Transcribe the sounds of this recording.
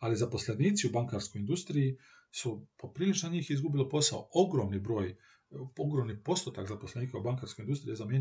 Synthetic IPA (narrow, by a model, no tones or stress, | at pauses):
alizapo̞sleniːt̪siubaŋkaɾsko̞jind̪ust̪ɾiji | supopɾiːlit͡ʃnaɲiːxizɡubilopo̞sa̰oo̞ɡɾo̞mnibɾo̞ːj | oɡɾo̞mnipo̞st̪ot̪akzapo̞sleniːkaubaŋkaɾsko̞jindust̪ɾijezamjeɲ